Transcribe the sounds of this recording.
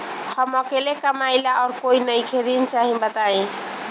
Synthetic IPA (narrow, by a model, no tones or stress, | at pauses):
həmɔkelekəmajlaʔɔːɾkoinəjkʰeɾint͡ʃaɦĩbət̪aẽ